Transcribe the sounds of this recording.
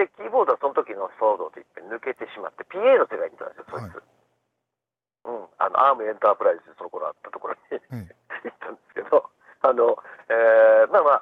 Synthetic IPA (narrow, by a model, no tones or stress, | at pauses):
dekʲiːbo̞ːd̪o̞aso̞not̪o̞kʲino̞soːd̪o̞t̪e̞ipːainɯ̟ke̞t̪e̞ɕima̰t̪ːe̞pʲiːe̞ːno̞st̪eɡaḭt̪ːã̰nd̪sjosoːt͡sɨ̰ | ɯ̟̃ɴa̰noʔaːmɯ̟ẽ̞nt̪aːpɯ̟ɾaizzɨd̪osonoko̞ɾo̰a̰t̪ːat̪okoɾo̞̰ɲ̟i | it̪ːãnd̪esɨ̥ke̞d̪o̞ | ano̞eːmama